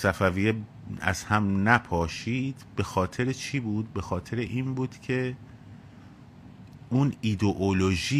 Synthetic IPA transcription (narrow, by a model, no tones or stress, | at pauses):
sæfævije | æ̰zhæmnæpʰɒːʃiːd̪̥be̞xɒːt̪ʰe̞ɾet͡ʃʰiːbuːd̪̚be̞xɒːt̪ʰe̞ɾeʔiːnbuːd̪̥cʰe̞ | uːnid̪oʔoloʒiː